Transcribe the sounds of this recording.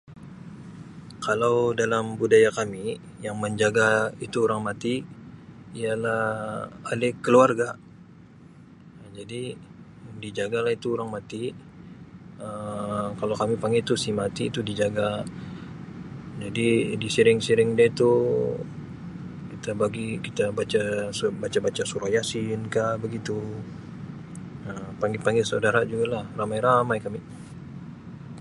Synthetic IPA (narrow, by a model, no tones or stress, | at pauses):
kalawdalambudajakami | jaŋməɲd͡ʒaɡait̪uoɾaŋmat̪i | ijalahalɛkəluarɡa | d͡ʒadi | did͡ʒaɡalahit̪uːɾaŋmat̪i | əkalawkamipaŋɡet̪usihmat̪iːt̪udid͡ʒaɡa | d͡ʒadidisiɾɪŋsiɾɪŋdɛt̪u | kit̪abaɡikit̪abat͡ʃasbat͡ʃabat͡ʃasuɾajasinkabəɡit̪u | əpaŋɡɪpaŋɡɪlsaudaɾad͡ʒuɡalahramajɾamajkami